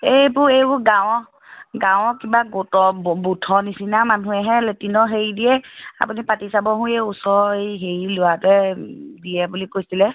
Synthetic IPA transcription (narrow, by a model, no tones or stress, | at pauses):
ejbʊɹejbʊɡãw | ɡãw̃kibaɡotɔbutʰɔnisinamanũɛɦɛletinɔɦeɹidijɛa̰punipatisabɔɦũjɛusɔejɦeɹilʊwatɛdijɛbulikojsilɛ